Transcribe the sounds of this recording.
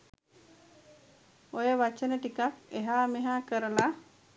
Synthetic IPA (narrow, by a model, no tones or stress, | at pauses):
ojəʋat͡ʃənəʈikakeɦaːmeɦaːkəɾəla